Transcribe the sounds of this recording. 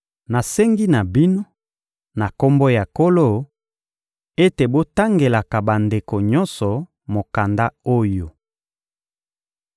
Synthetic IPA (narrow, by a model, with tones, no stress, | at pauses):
na˨sɛ˦ŋɡi˦na˨bi˦no˦ | na˨ko˦mbo˦ja˨ko˦lo˦˨ | e˦te˨bo˦ta˦ŋɡe˨la˨ka˨ba˨nde˨ko˨ɲɔ˦nsɔ˨ | mo˨ka˨nda˦o˦jo˨